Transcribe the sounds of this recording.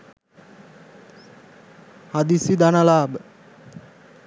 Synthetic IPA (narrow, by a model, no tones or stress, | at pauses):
had̪isid̪analaːbə